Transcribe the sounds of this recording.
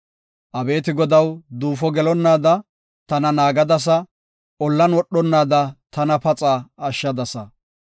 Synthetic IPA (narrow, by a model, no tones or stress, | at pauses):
ʔɐbe̞ːt̪ɪɡɔd̪ɐwd̪uːfɔɡɛlɔnːaːd̪ɐ | t̪ɐnɐnaːɡɐd̪ɐs̬ɐ | ʔɔlːɐnwɔɗːɔnːaːd̪ɐt̪ɐnɐpɐt͡sʼaːɐʃːɐd̪ɐsɐ